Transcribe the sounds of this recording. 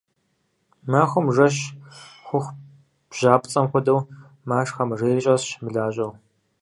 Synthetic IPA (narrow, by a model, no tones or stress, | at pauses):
mɐxʷʊmʐɐɕxʷʊxʷ | b̥ʒ̥aːpʼt͡sʼɐmxʷʊdɐw | maːʂxɐmreːɕʼɐɕmɨɮaːɕʼɐw